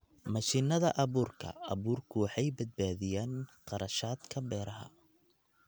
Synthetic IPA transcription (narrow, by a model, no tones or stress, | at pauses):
mɐʃiːnɐðɐʔɐβuːrkʰɐ̰ɐβuːrkʰʊwɑħɑjbɐd̪̚baːðɪjaːnqɑɾɐʃaːd̪kʰɐbɛːɾɐɦɐ̰